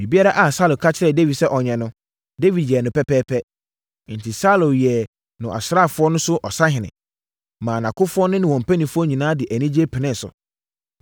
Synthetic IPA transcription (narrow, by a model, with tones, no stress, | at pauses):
mĩ˨bi˦a˦ɾa˦ʔa˨sa˦lo˨kʰa˦t͡ɕʰɪ˦ɾɛ˨de˦vi˨dsɛ˦ʔɔ˨ɲɛ̃˨nʊ̃˦ | de˦vi˨djɛ˨nʊ̃˨pɛ˦pʰɛː˦pʰɛ˦ | n̩˨tʰɪ˨sa˦lʊ˨jɛ˨ | nʊ̃˨ʔa̰˨sɾa˦˨fʊ˨˦ɔ˦nʊ̃˦sʊ˦ʔɔ˨sa˦ɦɪ̃˨nɪ̰̃˨ | mã˨nã˨kʰʊ˦fʊ˦ɔ˦nʊ̃˦nɪ̃˨wɔ̃˨m̩˨pʰæ˦nĩ˨fʊ˦ɔ˦ɲĩ˨nãː˦dɪ˨ʔæ˨nĩ˦d͡ʑi˦ɛ˦pʰɪ˨nɪ̃˦˨sʊ̰˨